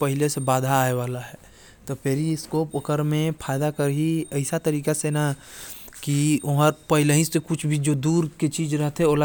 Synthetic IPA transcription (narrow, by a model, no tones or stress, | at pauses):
pəɦɪlesebaːd̪ʱaːeʋaːlaɦɛː | t̪opeːɾiɪskoːpəkəɾmẽpʰaːɪd̪akəɾɦiəɪsat̪əɾiːkasena | kioɦəɾpəɦɪləɦĩsekʊt͡ʃʰbʱid͡ʒoːd̪uːɾket͡ʃiːd͡ʒɾəɦt̪ɦɛoːla